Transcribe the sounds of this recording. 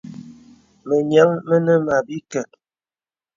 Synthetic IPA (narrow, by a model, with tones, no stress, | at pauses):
mə˨ɲa˦ŋmə˦nə˦ma˨bi˦kə˨t̚